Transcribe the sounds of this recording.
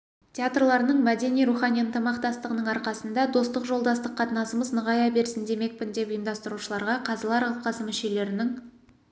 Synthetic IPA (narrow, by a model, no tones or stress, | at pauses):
tʲeat̪rlˠɑɾənəɴmæd̪e̞nijɾuχɑnʲijənt̪ʰəmɑqt̪ɑst̪əʁənəɴɑɾqɑsənd̪ɑd̪o̞st̪əqʒo̞lˠd̪ɑst̪əqʰːɑt̪ənɑsəməznəʁɑjɑbe̞ɾsɪnd̪e̞me̞k̚pɪnd̪e̞pʊjəmd̪ɑst̪əɾuʃəlˠɑɾʁɑqʰɑzəlˠɑɾɑl̚ˠqɑsəmʏʃe̞le̞ɾɪnɪŋ